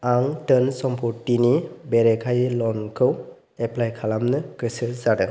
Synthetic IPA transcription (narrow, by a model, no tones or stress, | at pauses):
aŋtənsɔmpʰuʈːinibɛɾɛkʰajlɔnkʰɯw | ɛplajkʰalamnɯkɯsɯzadɯ